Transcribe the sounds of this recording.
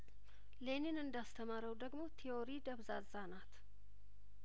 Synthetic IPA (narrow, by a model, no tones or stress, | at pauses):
leninɨnd̪ast̪ʰəmaɾəwd̪əɡmo̞t̪ʰioɾid̪əβzazanat̪